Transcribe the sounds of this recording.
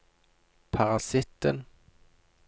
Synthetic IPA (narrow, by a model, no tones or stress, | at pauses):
pʰɑʁɑsɪt̪ːən